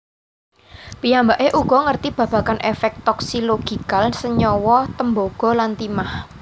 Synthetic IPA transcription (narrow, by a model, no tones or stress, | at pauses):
pijambaʔeʔuɡ̥ɔ̤ŋərt̪ib̥ä̤b̥ä̤kanʔefɛk̚t̪ɔksiloɡ̥i̤kalsəɲɔwɔt̪əmboɡ̥ɔ̤lant̪imah